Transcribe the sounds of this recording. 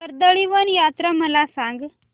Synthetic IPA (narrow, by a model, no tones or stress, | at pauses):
əɾd̪əɭiʋənjat̪ɾəməlasãŋɡ